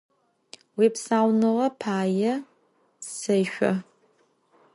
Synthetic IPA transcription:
wiːpsaːwnɨʁɐpʰaːjɐ | sɐjɕʷɔ̰

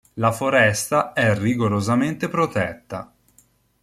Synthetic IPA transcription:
lafoɾɛst̪aɛrːiɡoɾozament̪epɾot̪ɛt̪ːa̰

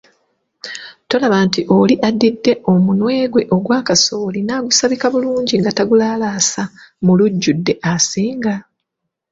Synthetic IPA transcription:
to̞laβaːntiʔo̞liʔadːidːe̞ʔo̞munwe̞ːɡwe̞ʔo̞ɡwaːkaso̞ːlinaɡusaβikaβuluːɲɟiŋɡataɡulaːlaːsamuluɟːudːe̞ʔasiːŋɡa

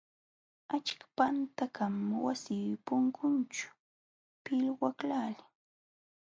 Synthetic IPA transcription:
at͡ʃkḁpant̪akamwasiːpʊŋkʊnt͡ʃʊ̥ | pɪlwaklaːlɪ

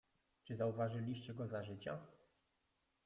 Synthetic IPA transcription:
t͡ʂɘzauvaʐɘlʲiɕt͡ɕɛɡɔzaʐɘt͡ɕa

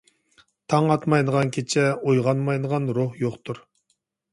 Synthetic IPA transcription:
t̪ʰɑŋɑt̪mɑjd̪əʁɑnkʲʰet͡ʃʰɛojʁɑnmɑjd̪əʁɑnɾohjoχt̪ʰuɾ

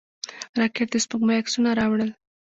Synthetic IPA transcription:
ɾɑkeʈ̚d̪espəkmajaksunaɾɑwɽəl

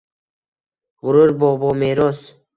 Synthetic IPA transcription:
ɣʊɾuɾbɔːbɔːmeɾɔs

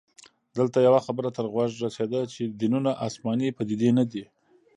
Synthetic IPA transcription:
d̪əlt̪ajawaxabəɾat̪əɾɣwaʒɾased̪at͡ʃed̪inunaʔɑsmɑnipəd̪id̪enad̪i

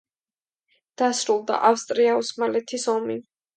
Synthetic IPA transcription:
d̪̥asɾulˠd̪a̰ʔafst̪ʼɾiausmalɛt̪ʰisɔmi

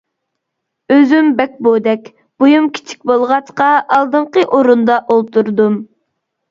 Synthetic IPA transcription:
øzymbɛk̚ʲbod̪ɛkʲ | b̥ojumkʲʰi̥t͡ʃʰi̥k̚ʲbolˠʁɑt͡ʃqɑʔɑlˠd̪ɨɴqəʔoɾund̪ɑʔolˠt̪uɾd̪um

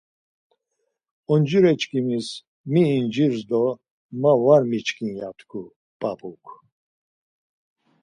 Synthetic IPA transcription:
ɔnd͡ʒuɾɛt͡ʃkʰimis | miːnd͡ʒiɾzd̪ɔ | mavaɾmit͡ʃkʰinjat̪ʰkʰu | pʼapʰʼukʰ

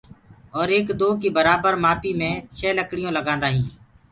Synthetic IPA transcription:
ɔːɾeːkd̪oːkiːbəɾaːbəɾmaːpiːmẽːt͡ʃʰɛːləkɽɪjõːləɡãːnd̪aːɦĩː

